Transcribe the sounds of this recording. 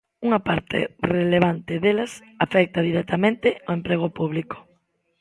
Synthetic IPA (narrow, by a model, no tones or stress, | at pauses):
uŋɐpaɾt̪ʰɪ̰releβant̪ɪðelɐs | afɛk̚t̪ɐð̞iɾɛk̚t̪amẽnt̪ɪoempɾeɣ̞opuβliko̥